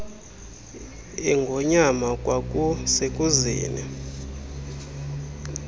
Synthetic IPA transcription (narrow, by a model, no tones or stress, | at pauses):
ɛŋɡʱɔɲamakʼwakʼusekʼuzḭːnɛ̰